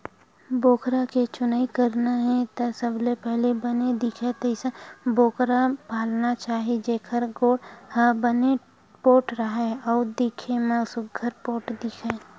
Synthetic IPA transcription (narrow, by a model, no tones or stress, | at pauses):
boːkɾaket͡ʃʊnaikəɾnaɦɛ̃t̪ɐsɐblepɛɦlebəned̪ɪkʰet̪ɐɪsəboːkɾapaːlnat͡ʃaːɦed͡ʒeːkʰəɾɡoːɽhəbəne | poːʈɾəɦaɔːɾd̪ɪkʰemə̃sʊɡʱəɾpoːʈd̪ɪkʰeː